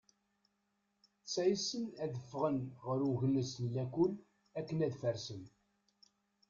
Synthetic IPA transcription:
t͡sːæjisənæðəfːʁənʁəɾuʝəlːəsnlækul | ækːənæðfəɾsən

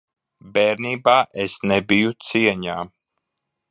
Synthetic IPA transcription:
bɛːɾniːbaːʔesnebijut̪siɛɲaː

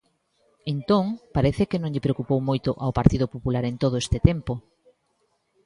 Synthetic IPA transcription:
ent̪õŋpaɾeθɪkɪnõŋʎɪpɾeokupowmojt̪oʔaopaɾt̪iðʊpopulaɾent̪oð̞oest̪ɪt̪ɛmpo

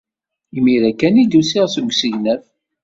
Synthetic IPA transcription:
imiɾækːænid̪usiʁsuɡʷsəʝnæθ

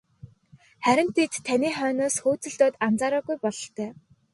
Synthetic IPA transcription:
χæɾʲɪ̆n̥t̪ʰːet̪ʰːæniːχœːnoːsxoːt͡sɵ̆ɮt̪oːt̪ant͡saːɾɔːɣujpɔɮɞ̆ɬt̪œː

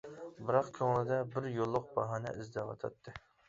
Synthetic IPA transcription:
bɨɾɑqkʲʰøŋlɪd̪ɛbɪɾjolˠːʊq̚bɑɦɑnɛ̰ʔizd̪ɛwɑ̰t̪ʰɑ̰t̪ʰːɨ

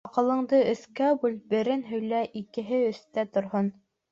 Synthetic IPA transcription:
ɑqɤ̆lˠɤ̆ɴd̪ɤɵ̆θkæbulbɘ̆ɾɘnɦɵ̆jlæʔikɘ̆ɦɘɵ̆θt̪æt̪ŏɾɦon

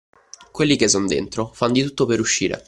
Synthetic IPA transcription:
kwelːikes̬ːɔnd̪ḛnt̪ɾofand̪it̪ut̪ːopeɾuʃːiːɾḛ

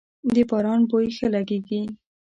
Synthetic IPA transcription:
d̪əbɑɾɑnbojxəlaɡeɡi

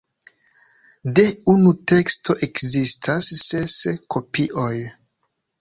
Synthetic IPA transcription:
de̞unute̞ksto̞ʔekzistʰasːeskʰo̞piʔo̞j

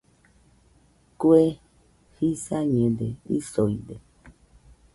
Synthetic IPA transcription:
kue | hisaɲẽd̪eḭsoid̪e

